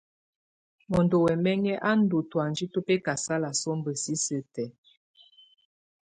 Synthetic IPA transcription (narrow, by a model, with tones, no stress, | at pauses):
mɔ˨ndo˨wɛ˨mɛ˦ŋɛ˦ʔa˦n̩˦du˨twa˨n˨d͡ʒi˦to˦pɛ˦ka˨sa˦la˨sɔ˦m˦bə˨si˦sə˨tɛ˨